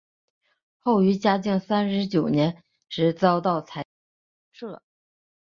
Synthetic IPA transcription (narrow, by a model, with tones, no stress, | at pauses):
xo˥˩ʊy˧˥t͡ɕja˥t͡ɕi˥˩ŋsa˥nʂɻ̩˧˥t͡ɕjo˨˩ʊnjɛ˧˥n | ʂɻ̩˧˥t͡sɑ˥ʊt̪ɑ˥˩ʊt͡sʰa˧˥˧ | ʂɻ̩˥˩lə˩